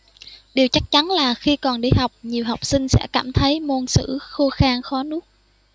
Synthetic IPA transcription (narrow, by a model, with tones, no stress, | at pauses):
ɗi˨˩əwt͡ɕa˦˥k̚t͡ɕa˨˦nlaː˨˩xi˧kɔ˨˩nɗi˧˩ha˨˩wk͡p̚ɲi˨˩əwɦa˨˩wk͡p̚sï˧ŋ̟sɛ̰˧˥ka̰ː˧˩mt̪ʰə˨˦jmo˧nsɨ̰˧˥xo˧xaː˧nxɔ˨˦nɨ˦˥ək̚